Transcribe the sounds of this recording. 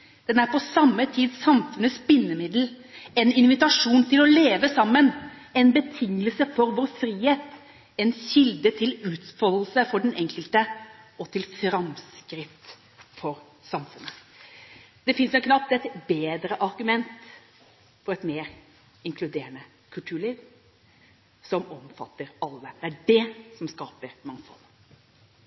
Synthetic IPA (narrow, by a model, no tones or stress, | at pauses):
d̪̥ɛnæɾpɔsɑmːət̪ʰiːd̪sɑmfʉnəspɪnːəmɪd̪l̩ | ɛnɪnʋɪt̪ɑʂuːnt̪ʰɪlɔleːʋəsɑmːənɛnbət̪ʰɪŋːəlsəfɔɾʋoːɾfɾiːheːt̪ | ɛnɕɪld̪ət̪ʰɪlʉːt̪fɔll̩səfɔɖɛnɛŋkəlt̪ə | ɔt̪ʰɪlfɾɑmskɾɪt̪ | fɔɾ | sɑmfʉnːə | d̪̥ɛfɪnsɛkʰnɑp̚t̪ɛt̪beːd̪ɾəʔɑɾɡʉmɛnt̪ | fɔɾɛt̪meːɾ | ɪŋkʰlʉd̪eːɾənə | kʰʉlt̪ʰʉːɭiːʋ | sɔmɔmfɑ̰t̪ːəɾɑlːəd̪̥ɛæɖɛsɔmskɑːpəɾmɑŋfɔ̰l